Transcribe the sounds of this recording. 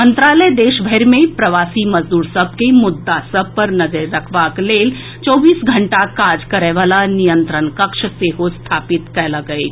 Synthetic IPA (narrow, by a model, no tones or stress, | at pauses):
mənt̪ɾaləd̪eːʃbʱəjɾmẽpɾɐʋasiməzd̪uːɾsəb̚ʱkemʊd̪ːasəb̚ʱpəɾnəd͡ʒəɾːəkʰʋakleːl | t͡ʃɔːbiːsɡʱəɳʈakad͡ʒkəɾɛʋalanijənt̪ɾənkəkʃəseɦost̪ʰapit̪kɛlaɡəj